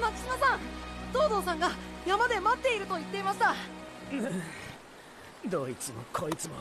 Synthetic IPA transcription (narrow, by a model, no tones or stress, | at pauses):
makɯ̥simasãŋd̪̥o̞ːd̪o̞ːs̬ãŋɡajamad̪e̞mat̪ːe̞iɾɯ̟t̪o̞it̪ːeimaɕi̥t̪aɯ | d̪o̞ːit͡sɨmo̰kʰoːit͡sɨmo